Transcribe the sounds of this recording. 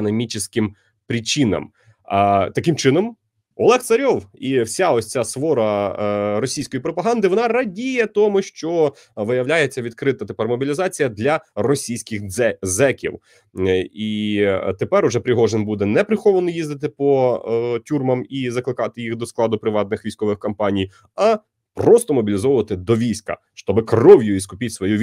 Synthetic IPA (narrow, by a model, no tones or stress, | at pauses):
nɐmʲit͡ʃɪsʲkɪm | pɾʲit͡ʃinɐ̰m | t̪ɐkɪmt͡ʃɪnɔm | ɔ̰lˠɛxt̪sɐɾʲɔwiwsʲaɔsʲt͡sʲasʋɔɾɐ | ɾɔsʲijsʲkɔjipɾɔpɐɦɑnd̪ɪʋɔnɑrɐdʲijɛt̪ɔmʊʃt͡ʃɔ | ʋɪjɐwlʲajet͡sʲːɐʋʲid̪̚kɾɪt̪ɐt̪epɛrmɔbʲilʲizɑt͡sʲijɐd̪lʲɐrɔsʲijsʲkʲɪxɛzɛkʲḭw | it̪epɛɾʊʒɛpɾʲɪɦɔʒenbud̪ɛnɛpɾɪxɔʋɐnɔjizd̪ɪt̪̬ɪpɔtʲurmɐmizɐklˠɪkɑt̪ɪjixd̪ɔsklˠɑd̪ʊpɾɪʋɑt̪nɪxʋʲijsʲkɔʋɪxkɔmpɑnʲij | ɐ | prɔst̪ɔmɔbʲilʲizɔʋʊʋɐt̪ɪd̪ɔʋʲijsʲkɐ̰ | ʃt̪ɔbɪkrɔwjʊiskʊpʲitʲsʋɔjuʋʲ